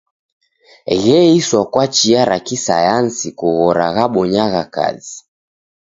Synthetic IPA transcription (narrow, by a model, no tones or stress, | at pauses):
ɣɛiswakwat͡ʃiaɾa̰kisa̰jansikuɣɔɾa̰ɣaɓɔɲaɣaka̰zi